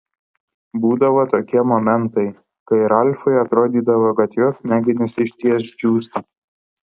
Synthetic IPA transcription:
buːd̪ɐʋot̪oːkʲiɛmoːmʲɛnt̪ɐɪ | kɐɪɾɐlʲfɐɪɐt̪ɾoːd̪ʲiːd̪ɐʋoɡɐt̪joːsnʲæːɡʲɪnʲɛsʲɪʃʲt̪ʲiɛsd͡ʒʲuːst̪ɐ

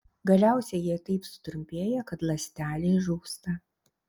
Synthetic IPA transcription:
ɡɐlʲæˑʊsʲɛjiɛt̪ɐɪpsʊ̥t̪ɾʊmʲpʲeːjɛkɐt̪lˠɐsʲt̪ʲæːlʲeːʒuːkst̪ɐ

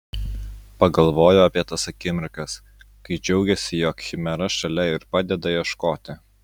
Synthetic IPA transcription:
pɐɡɐlˠʋoːjoɐpʲiɛt̪ɐsɐkʲɪmʲɪɾkɐs | kɐɪd͡ʒʲɛʊɡʲɛsʲɪjoːkxʲɪmʲɛɾɐʃɐlʲɛɪɾpɑːd̪ʲɛd̪ɐjɛʃkoːt̪ʲɪ

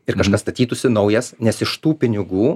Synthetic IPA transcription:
ɪɾkɐʃkɐsst̪ɐt̪ʲiːt̪ʊsʲɪnɒʊjɛsnʲɛsɪʃt̪uːpʲɪnʲɪɡuː

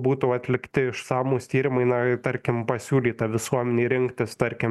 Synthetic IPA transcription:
buːt̪uːɐt̪ʲlʲɪkt̪ʲɪɪʃsɑːmuːst̪ʲiːɾʲɪmɐɪnɐt̪ɐɾʲkʲɪmpɐsʲuːlʲiːt̪ɐʋʲɪsuɔmʲɛnʲeːɾʲɪŋkt̪ʲɪst̪ɐɾʲkʲɪm

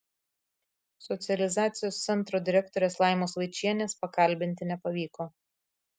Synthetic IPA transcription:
sɔt̪sʲɪɛlʲɪzɑːt̪sʲɪjoːst̪sʲɛnˑt̪ɾoːd̪ʲɪɾʲɛkt̪ɔɾʲeːslˠɑˑɪmoːsʋɐɪt͡ʃʲiɛnʲeːspɐkɐlʲbʲɪnʲt̪ʲɪnʲɛpɐʋʲiːkoː

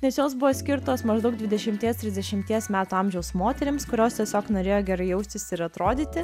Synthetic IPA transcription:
nʲɛsjoːsbʊʋoːsʲkʲɪɾt̪oːsmɐʒd̪ɐʊk̚d̪ʋʲɪd̪ʲɛʃʲɪmʲt̪ʲiɛst̪ʲɾʲɪzʲd̪ʲɛʃʲɪmʲt̪ʲiɛsmʲæːt̪uːɑmʲʒʲɛʊsmoːt̪ʲɛɾʲɪmskʊɾʲoːst̪ʲiɛsʲoːknoːɾʲeːjoːɡʲɛɾɐɪjɛʊsʲt̪ʲɪsʲɪɾɐt̪ɾoːd̪ʲiːt̪ʲɪ

